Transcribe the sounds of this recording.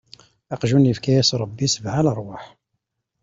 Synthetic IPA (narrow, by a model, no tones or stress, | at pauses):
ɑqʒunjəfkæjæsɾˤɑbːisəbʕaləɾˤwaħ